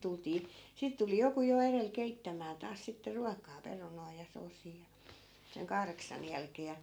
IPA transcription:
tultiː siˑt tuli joku jo erel keitːæmæː tɑːs sitːe ruɑkɑː perunoi jɑ soːsiː jɑ seŋ kɑhreksɑn jælkeː jɑ

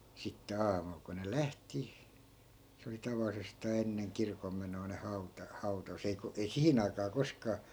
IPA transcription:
sitːe ɑːmul ko ne læhti se oli tɑʋɑlˑisestɑː enːeŋ kirkomːenoi̯ ne hɑu̞tɑ hɑu̞tɑs ei ko ei sihin ɑikɑː koskɑː

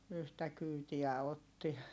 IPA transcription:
yhtæ kyːtiæ otːi

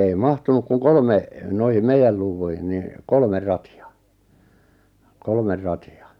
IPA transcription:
ei mɑhtunuk kuŋ kolme noihim meijæl luːʋːuihin ni kolmer rɑtiɑ kolmer rɑtiɑ

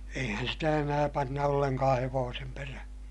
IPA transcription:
eihæn sitæ enæː pɑnːɑ olːeŋkɑː heʋoːsem peræhæ̥

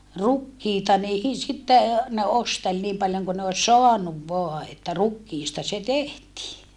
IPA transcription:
rukːiːtɑ niː sitːe ne ostel niːm pɑljoŋ kun ne os soɑnuʋ ʋoɑ etːæ rukːiːstɑ se tehtiː

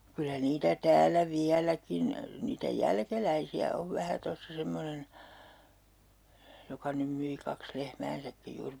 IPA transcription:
kylæ niːtæ tæːlːæ ʋiælækin niːtæ jælkelæisiæ oʋ ʋæhæ tosːɑ semːonen jokɑ nym myi kɑks lehmæːnsækːij juːr

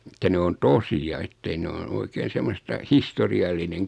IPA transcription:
ĕtːæ ne on tosiɑ etːei ne noin oikeːn̞ semːostɑ historiɑlːineŋ

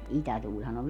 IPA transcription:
itætuːlʲhɑn o

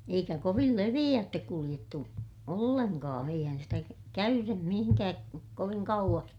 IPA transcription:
eikæ koʋil leʋij̆æːtːek kulij̆etːu olːeŋkɑ̃ː eihæn sitæ kæ kæyrem mihiŋkæːk koʋiŋ kɑuʋ̆ɑs

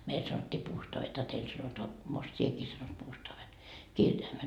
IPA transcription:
meil sɑnotʲːiː puːstoɑʋet ɑ teil sɑnotoɑ most sieki sɑnot puːstoɑʋe kirjɑimet

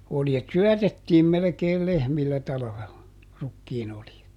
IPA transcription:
oljet syœˑtetːiːm melĕkeːl lehmilːæ tɑlɑ̆ʋelːɑ rukːiːnoljet

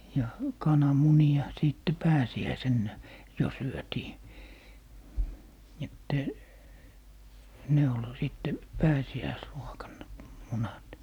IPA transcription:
jɑ kɑnɑmuniɑ siˑtːe pæːsiæisenːæ jo syøtiː etːæ ne ol siˑtːe pæːsiæisruokɑnːɑ munɑt

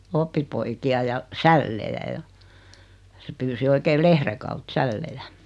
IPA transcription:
opːipoikiɑ jɑ sælːejæ jɑ se pyːsi oikeː lehre kɑut sælːejæ

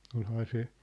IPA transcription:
olhɑː se

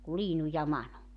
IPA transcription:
ku liːnu jɑ mɑnu

